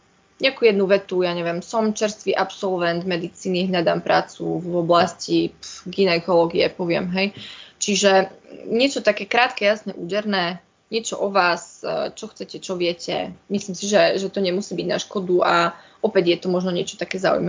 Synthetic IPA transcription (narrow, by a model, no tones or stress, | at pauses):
ɲɛakuːjɛd̪nuʋɛt̪ujaɲɛʋjɛmsɔmt͡ʃɛɾst̪ʋiʔapsɔlʋɛnd̪mɛd̪it͡siːniɦʎad̪ampɾa̰ːt͡sṵvɔblascipɡinɛkɔlɔɡiɛpɔʋɪɛmɦɛjt͡ʃiʒɛɲɪɛt͡ʃɔt̪akɛːkɾaːt̪kɛjasɲɛʔuːɟɛɾnɛː | ɲɪɛt͡ʃɔʔɔʋaːst͡ʃɔxt͡sɛcɛt͡ʃɔʋɪɛcɛ̰mislimsiʒɛʒɛt̪ɔɲɛmusiːbiɟnaʃkɔd̪uaʔɔpɛɟjɛt̪ɔmɔʒnɔɲɪɛt͡ʃɔ̥t̪akɛːza̰ṵjma